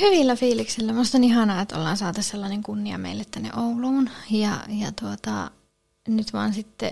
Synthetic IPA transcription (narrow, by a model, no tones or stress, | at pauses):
hyʋilːæfiːliksilːæmust̪onihɑnɑet̪o̰lːɑ̰ːnsɑːt̪ɑsselːɑneŋkunːiɑ̰mḛilːet̪t̪ːænːḛʔouluːnjɑ̰jɑt̪uot̪ɑ̰ | nyt̪ʋɑ̰ːnsit̪ːḛ